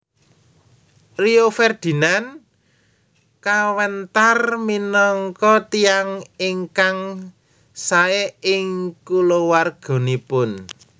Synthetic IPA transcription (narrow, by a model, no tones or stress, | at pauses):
riofɛrd̪̥i̤nan | kawənt̪arminɔŋkɔt̪ijaŋiŋkaŋ | saeɪŋkulowarɡ̥ɔ̤nipʊn